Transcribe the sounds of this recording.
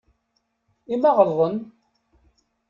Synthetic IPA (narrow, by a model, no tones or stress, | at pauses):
imɑʁəlðˤən